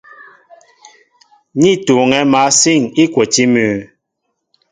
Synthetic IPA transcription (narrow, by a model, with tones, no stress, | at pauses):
ɲi˦˨to˨ŋɛ˨˦ma˨˦si˦˨ŋi˦kwo˨ti˦mʉː˨